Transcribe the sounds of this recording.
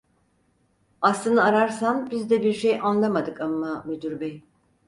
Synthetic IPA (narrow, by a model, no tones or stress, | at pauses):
aslˠɯnɯaɾaɾsanbizd̪ɛbiɾʃejʔanlˠamad̪ɯkamːamed̪yɾbɛj